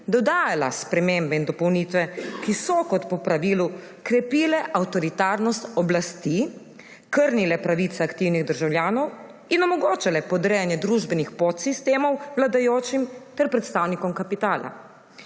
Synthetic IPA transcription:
d̪ɔd̪aːjala̰spɾɛmembɛind̪ɔpɔwniːt̪ʋɛkisɔkɔt̪pɔpɾaʋilu | kɾɛpiːlɛʔawt̪ɔɾit̪aːɾnɔst̪ɔblast̪i | kəɾnilɛpɾaʋit̪sɛakt̪iwniɣd̪əɾʒawljaːnɔw | inɔmɔɡoːt͡ʃalɛpɔd̪ɾɛjanjɛd̪ɾuʒbɛnixpot̪sist̪eːmɔwwlad̪ajoːt͡ʃimt̪ɛɾpɾɛt̪st̪aːwnikɔmkapit̪aːla̰

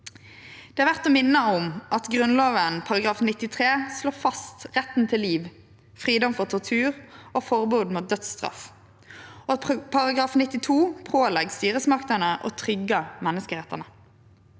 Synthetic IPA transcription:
d̪̥ɛːæʁʋæʁt̪oːmɪnːəʊmʔɑt̪ɡʁʉnloːʋənpʰɑʁɑɡʁɑːfnɪt̪ːɪt̪ʰʁeːsloːfɑst̪ʁɛt̪n̩t̪ʰɪlːiːʋ | fʁiːd̪ɔmfɔʁt̪ʰɔʁt̪ʰʉːʁoːfɔʁbuːd̪muːt̪̚d̪œt̪st̪ʁɑ̰f | oːɑtpʰɑʁɑɡʁɑːfnɪt̪ːɪt̪ʰuːpʰoːlɛɡst̪yːʁəsmɑkt̪ənəʔo̰ːt̪ʰʁʏɡəmɛnːəskəʁɛt̪ːənə

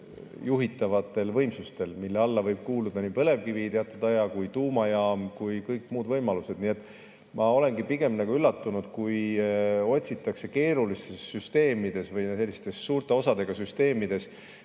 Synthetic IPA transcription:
juɦit̪ːˑɑvɑt̪ːˑe̞lvɤ̞jmsust̪e̞lmilːeɑlːɑvɤjb̥̚kuːlud̪̥ɑnipɤ̞le̞vkivit̪eɑt̪ːˑud̪ɑjɑkujt̪uːmɑjɑːmkujkɤjkmuːd̪vɤjmɑluse̞d̪̥nie̞t̪ːˑ | mɑo̞le̞nɡipiɡ̥e̞mnɑɡuylːɑt̪ːunud̪̥kuj | o̞tʲsit̪ːˑɑkse̞ke̞ːɾulist̪esːyst̪e̞ːmid̪̥e̞svɤjse̞lːist̪e̞sːuːɾt̪ˑe̞o̞sɑd̪̥e̞ɡ̥ɑsyst̪e̞ːmid̪̥e̞s

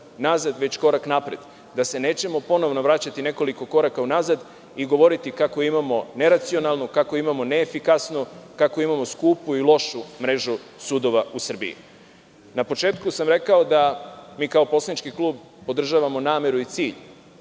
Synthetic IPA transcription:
nazad̪ʋe̞t͡ɕko̞ɾaknapɾḛd̪ | d̪ase̞ne̞ːt͡ɕe̞mo̞po̞no̞ʋno̞ʋɾat͡ɕat̪ine̞ko̞liko̞ko̞ɾakaunazad̪ | iɡo̞ʋo̞ɾit̪ikako̞imamo̞ne̞ɾat̪sio̞nalˠnokako̞imamo̞ne̞ːfikasnukako̞imamo̞skuːpuilˠo̞ʃumɾe̞ʒusuːd̪o̞ʋausr̩bḭḭ | napo̞t͡ʃeːt̪kusamɾe̞kao̞d̪amiːkao̞po̞slanit͡ʃkiklˠuːb̚ | po̞d̪r̩ʒaʋamo̞naːme̞ɾuit̪siːʎ

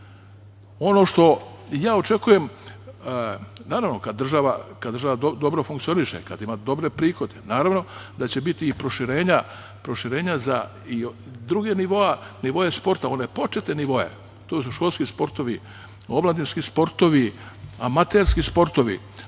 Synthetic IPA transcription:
o̞no̞ʃt̪o̞ | jaːo̞t͡ʃe̞kujem | naːɾaʋno̞kad̪ːɾr̩ʒaʋakad̪ɾrʒaʋad̪od̪o̞bɾo̞fuŋkt̪sio̞niʃḛkad̪imad̪o̞bɾe̞pɾiːxo̞d̪enaːɾaʋno̞d̪at͡ɕe̞bit̪iːpɾo̞ʃiɾe̞ːɲa | pɾo̞ʃiɾe̞ːɲaza | i | d̪ɾuɡeniʋo̞aniʋo̞je̞spo̞ɾt̪ao̞ne̞po̞t͡ʃe̞t̪neniʋo̞je̞̰ | t̪oːsuʃko̞lˠskispo̞ɾt̪o̞ʋi | oblˠad̪inskispo̞ɾt̪o̞ʋi | amat̪elskispo̞ɾt̪o̞ʋḭ

